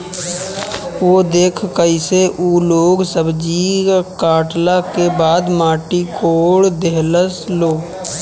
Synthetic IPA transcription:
oːd̪eːkʰkəɪseʔuːloːɡsəbd͡ʒikaːʈlakebaːd̪maːʈikoːɽd̪eɦləsloː

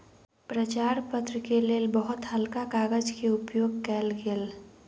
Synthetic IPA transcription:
pɾət͡ʃaːɾpət̪ɾəkeleːlbəɦʊt̪həlkakaːɡəd͡ʒkeʊpjoːɡkɛːlɡel

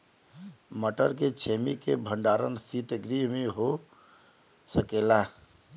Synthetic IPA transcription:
məʈəɾket͡ʃʰemikebʱəɳɖaɾə̰nsit̪əɡɾimeɦo | səkela

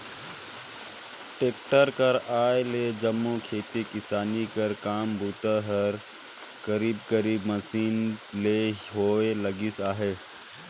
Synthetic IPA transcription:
ʈeːk̚ʈəɾkəɾaːjleːd͡ʒəmːokʰeːt̪ikɪsaːnikəɾkaːmbʱut̪əɦəɾ | kəɾiːbkəɾiːbməsiːnleːɦoːeləɡisaːɦeː

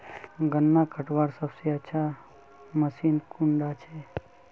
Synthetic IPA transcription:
ɡənːakʰəʈʋaɾsəbsiət͡ʃʰa | məsinkuɳɖat͡ʃʰe

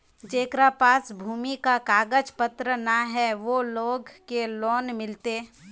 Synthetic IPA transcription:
d͡ʒeːkɾapaːsbʱuːmikakaːɡəd͡ʒpət̪ɾənaɦɛʋoloːɡkeloːnmɪlt̪eː

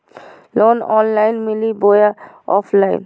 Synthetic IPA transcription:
lonɔnlajnmiliboja | ɔ̰pʰlaj̰n

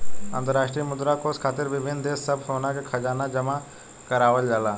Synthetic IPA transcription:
ə̰̃nd̪əɾaːʃʈɾiːmʊd̪ɾaːkoːskʰaːt̪ɪɾʋɪbʱɪnd̪eːsːəbfoːnãkʰekʰɐd͡ʒaːnad͡ʒɐma | kɐɾaːʋəld͡ʒaːlaː

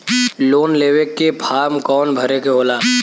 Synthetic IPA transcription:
loːnleːʋekːepʰaːɾmkɔːnbʱəɾekeɦoːlaː

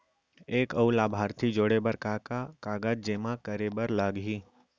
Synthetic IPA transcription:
eːkəulaːbʱaːɾt̪ʰid͡ʒoːɽebəɾkakakaːɡaːd͡ʒd͡ʒeːmãkəɾebəɾlaːɡɦiː

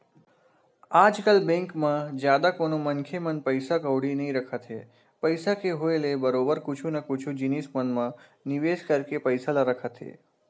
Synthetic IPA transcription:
ad͡ʒkalbɛ̃ŋkmãd͡ʒjad̪akonomənkʰemənpəjsakəʋɽinəɦĩɾəkʰat̪ʰe | pəjsakeɦoelebəɾobəɾkʊt͡ʃʰunakʊt͡ʃʰũd͡ʒinismənmãniʋeskəɾkepəjsalaɾəkʰat̪ʰḛ

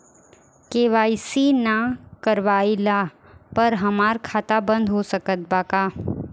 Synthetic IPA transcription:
keːʋaːisinakəɾʋaːila | pɐɾɦɐmaːɾkʰaːt̪abə̃nd̪ʱɦosəkət̪̚baːkaː

